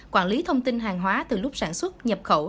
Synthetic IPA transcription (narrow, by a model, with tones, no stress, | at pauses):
kwaː˧˩nli˨˦t̪ʰə˧wŋ͡mt̪i˧nɦaː˨˩ŋɦwaː˨˦t̪ɨ˨˩lʊ˦˥k͡p̚saː˧˩nswt̚ɲə˨˩p̚xo˧˩